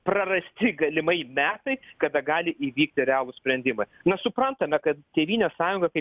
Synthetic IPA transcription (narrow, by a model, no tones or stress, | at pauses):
prɐrɐsʲt̪ʲɪɡɐlʲɪmɐɪmʲæːt̪ɐɪkɐd̪ɐɡɑːlʲɪʔiːʋʲiːkt̪ʲɪɾʲɛɑːlˠʊsʲpʲɾʲɛnʲd̪ʲɪmɐnɐsʊpɾɐnt̪ɐmʲɛkɐt̪t̪ʲeːʋʲiːnʲeːsɑːjʊŋɡɐkɐɪp